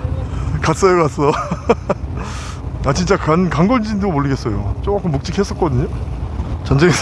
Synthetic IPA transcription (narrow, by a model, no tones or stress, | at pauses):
kat̚s͈ʌjokas͈ʌ | at͡ɕint͡ɕ͈akankaŋɡʌnd͡ʑindomoʎːiɡe̞ts͈ʌjo̰t͡ɕ͈okak͈ʰomuk̚t͡ɕ͈ikʰhe̞s͈ʌt̚k͈ʌdɯɲo | t͡ɕʌnd͡ʑeŋe